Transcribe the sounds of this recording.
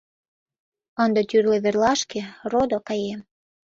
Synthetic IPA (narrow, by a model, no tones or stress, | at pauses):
ənd̪ə̆t̪yrleβerlɑʃkerod̪okɑjem